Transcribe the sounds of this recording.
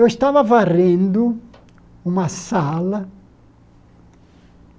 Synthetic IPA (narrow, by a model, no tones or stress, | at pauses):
ewɪst̪avɐvarẽnd̪ʊ | ũmɐsalɐ